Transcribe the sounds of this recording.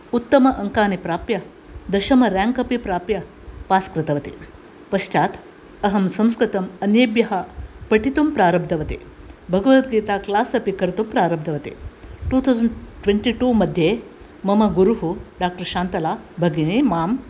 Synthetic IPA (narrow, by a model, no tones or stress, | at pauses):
ut̪ːɐmɐʔɐŋkaːnipɾaːpjɐ | d̪ɐʃɐmɐɾãːŋkɐpipɾaːpjɐ | paːskɾɪt̪ɐʋɐt̪i | pɐʃt͡ʃaːt̪ | ɐɦɐmsɐ̃mskɾɪt̪ɐmɐnjeːbjɐɦɐpɐʈit̪umpɾaːɾɐb̚d̪ʱɐʋɐt̪ḭ | bʱɐɡɐʋɐt̪ɡiːt̪aːklaːsɐpikɐɾt̪umpɾaːɾɐb̚d̪ʱɐʋɐt̪ḭʈuːt̪ʰawzɐɳʈʋeɳʈiːʈuːmɐd̪ʱjeː | mɐmɐɡuɾuɦuɖaːk̚ʈɐɾʃaːnt̪ɐlaːbʱɐɡinemaːm